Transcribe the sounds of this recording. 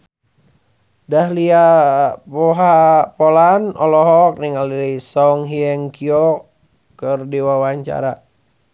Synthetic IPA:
dahliapɔɦapɔlanɔlɔɦɔk̚niŋalilisɔŋɦiɛŋkiɔkː | ərdiwawaɲt͡ʃa̰ɾa

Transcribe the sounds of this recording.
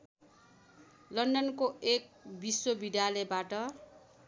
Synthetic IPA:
lʌnɖʌnkoek̚biswʌbid̪jalʌbaʈʌ

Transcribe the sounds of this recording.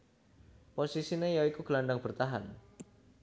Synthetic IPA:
posisinejawikuɡ̥əlaɳɖaŋb̥ərt̪aɦan

